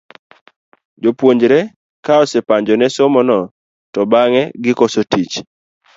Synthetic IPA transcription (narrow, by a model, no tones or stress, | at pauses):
d͡ʒopwoɲd͡ʒɾɛ | kaɔsepaɲd͡ʒɔnɛsomɔnɔ | tɔbaŋɛɡɪkɔsotit͡ʃ